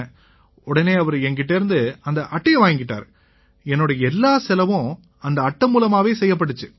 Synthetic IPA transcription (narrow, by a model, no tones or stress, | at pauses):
ɔɽɐneːɐʋɐɾɛŋɡɪʈ̬ːeːɾɯnd̪ɯɐnd̪ɐʔɐʈːɐjɐʋaːjŋɡɪʈːa̰ːɾ | ɛnːoːɽɐɛlːaːsɛlɐʋʊ̃ | ɐnd̪ɐɐʈːɐmuːlɐmaːʋeːsɛjːɐp̬ːɐʈːɯt͡ʃːɯ